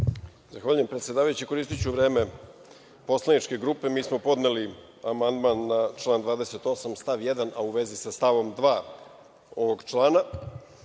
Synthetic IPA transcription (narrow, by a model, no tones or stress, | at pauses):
zaxʋaːʎujempɾet̪sʲjed̪aːʋajut͡ɕiko̞ɾist̪it͡ɕuʋɾe̞ːme̞ | po̞slˠanit͡ʃke̞ɡɾuːpemiːsmo̞po̞d̪neli | amand̪manːat͡ʃlˠaːnd̪ʋaːd̪e̞set̪o̞samst̪aʋjed̪anʔauʋe̞zisast̪aʋo̞md̪ʋaː | o̞ʋoɡt͡ʃlˠaːna